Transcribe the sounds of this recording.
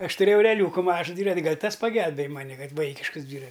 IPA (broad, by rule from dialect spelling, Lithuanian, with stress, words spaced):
ˈɐʃ tʊˈrʲeːjɛʊ ɛrʲɛˈlʲuːkʊ ˈmɑːʒʊ ˈdʲʋʲiːrɐtʲ ˈɡɐlʲ ˈtɐs pɐˈɡʲɛlʲbʲeːj ˈmɑːnʲɪ ˈkɐt ˈʋɐɪkʲɪʃkəs ˈdʲʋʲiːrɐ